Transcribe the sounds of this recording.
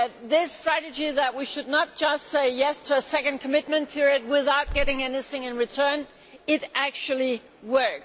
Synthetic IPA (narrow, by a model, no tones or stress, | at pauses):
t̚ðɪstɹ̥æɾɨd͡ʒiðɨt̚wiʃɨdⁿnət̚d̥ʒ̥ʌstseɪjɛstʰɨːsɛkɨ̃n̚kʰəmɪt̚mɨ̃npʰɪɹiɨd̚wɪðaʊt̚ɡ̥ɛɾɪ̃ŋɛniθɪ̃ŋɨ̃nɹɨtʰɜ̃˞n | ɪɾæk̚t͡ʃul̩ˠi | wɜ˞k